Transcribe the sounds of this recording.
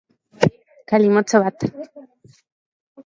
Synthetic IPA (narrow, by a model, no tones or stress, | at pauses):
kalimot͡soβat̪ḁ